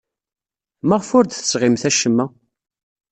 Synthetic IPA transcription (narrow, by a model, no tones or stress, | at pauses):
məʁfʊɾd̪θə̥sʁɪmθæʃəmːæ